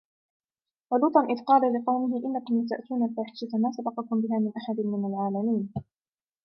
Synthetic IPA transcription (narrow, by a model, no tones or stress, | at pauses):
walʊːt̪ˤɑnʔɪðqɑːlalɪqɑwmɪɦɪʔɪnːakʊmjat̪aʔt̪uːnalfaːħɪ̥ʃamaːsabɑqɑkʊmbɪɦaːmɪnʔaħad̪nmɪnalʕaːlamiːn